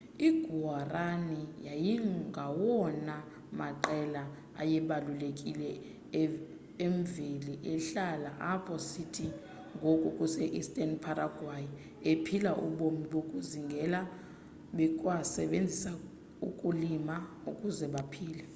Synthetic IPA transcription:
iɡ̥ʱuaranijajiɡʱawɔna | maǃɛla | a̰jɛɓalulekʼilɛ | eɱviliʔɛɬalaʔapʰɔsitʰi | ŋɡʱokʼukʼusɛʔistʼɛnpʰaraɡ̥ʱwaji | epʰilaʔṵɓomiɓokʼuziŋɡʱɛla | ɓɛkʼwasɛ̰ɓend͡zʱisa | ṵkʼulima | ukʼuzɛɓapʰiːlɛ

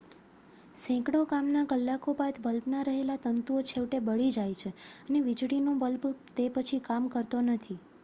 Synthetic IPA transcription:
sɛ̃kɽokamnakəlːakopat̪bəlpnaɾəɦelat̪ənt̪uot͡ʃʰeʋʈebəɭid͡ʒajt͡ʃʰeəneʋid͡ʒɽinobəlpt̪epət͡ʃʰikamkəɾt̪onət̪ʰi

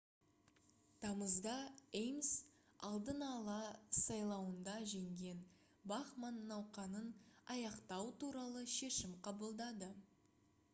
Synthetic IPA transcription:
t̪ʰɑməzd̪ɑejms | ɑlˠd̪ənɑlˠɑsɑjlˠɑwənd̪ɑʒe̞ŋɡʲe̞n | bɑχmanːɑwqɑnənɑjɑqt̪ɑwt̪uɾɑlˠəʃe̞ʃɪmqʰɑbəlˠd̪ɑd̪ə

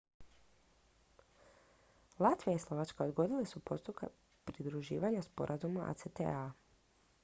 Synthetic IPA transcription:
lˠat̪ʋijaislˠo̞ʋat͡ʃkao̞d̪ɡo̞d̪ilesupo̞st̪upka̰ | pɾid̪ɾuʒiːʋaɲaspo̞̰ɾʔazumaʔa̰t̪set̪ḛa

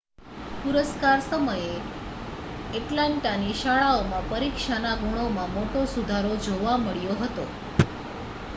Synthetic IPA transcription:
puɾəskaɾsəməje | eʈlãɳʈaniʃaɭaomãpəɾikʃanaɡʱuɽ̃omãmoʈosud̪ʱaɾod͡ʒoʋaməɭjoɦət̪o̰

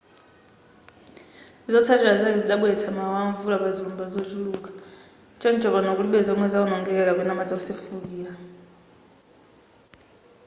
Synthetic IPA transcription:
izɔt͡sʰatʰʼɛɺazaliziɗaɓuɛt͡sʰamawaɱvulaɓaziumbazozuluːka | t͡ʃʼɔnt͡ʃʼɔβɔnɔk̬uɺiɓɛzɔŋwɛzaunɔŋɡɛlɛlak̬wɛnamad͡zʼausefuk̬iːa

